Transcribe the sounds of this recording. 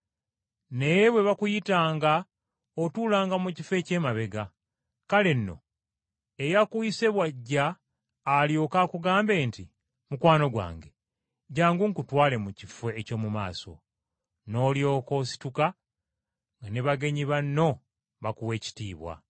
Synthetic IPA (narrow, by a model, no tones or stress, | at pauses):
ne̞jeβwe̞βakujitaːŋɡa | otuːlaːŋɡamucife̞ːce̞ːmaβe̞ɡa | kale̞nːo̞̰ | ejakuise̞βwaɟːaː | ljo̞kakuɡaːmbe̞ːnti | mukwaːno̞ɡwa̰ːŋɡe̞ | ɟaːŋɡuŋkutwaːle̞mucifeːco̞ːmumaːso̞̰ | no̞ːljo̞ːko̞si̥tuka | ŋɡaneβaɡe̞ɲiβanːo̞ | βakuwe̞ːci̥tiːβwa̰